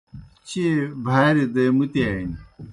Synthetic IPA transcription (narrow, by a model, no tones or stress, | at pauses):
t͡ɕibʱaːɾid̪ɐjmut̪iaːini